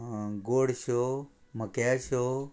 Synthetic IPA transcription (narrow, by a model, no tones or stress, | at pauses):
ɡoːɽʃo | məkjaʃo